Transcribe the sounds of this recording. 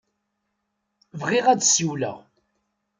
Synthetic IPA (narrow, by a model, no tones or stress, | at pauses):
vʁiʁæ̥siwlæ̰